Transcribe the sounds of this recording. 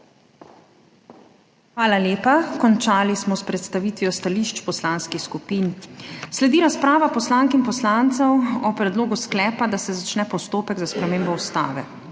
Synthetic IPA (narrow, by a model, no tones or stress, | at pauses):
xʋaːlaljeːpakɔnt͡ʃaːlismɔspɾɛt̪st̪aʋiːt̪ʋijɔst̪aliːʃt͡ʃpɔslaːnskixskupiːnslɛd̪iːɾaspɾaːʋapɔslaːŋkinpɔslant̪sɛwɔpɾɛd̪loːɡusklɛːpad̪asɛzat͡ʃnɛpɔst̪oːpɛɡzaspɾɛmeːmbɔust̪a̰ːʋɛ